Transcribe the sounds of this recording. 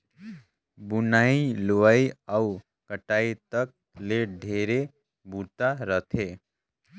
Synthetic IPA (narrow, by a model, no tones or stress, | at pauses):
bunailoʋaiau | kəʈait̪ək̚ | leɖʱeɾe | but̪aɾət̪ʰe